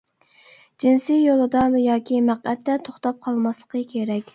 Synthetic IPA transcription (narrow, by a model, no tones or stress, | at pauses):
d͡ʒinsijjolˠɨd̪ɑmjɑːkʲimæqɛt̪ːɛt̪ʰoχt̪ɑp̚qʰɑlˠmɑslˠəqʰəkʲʰeɾɛkʲ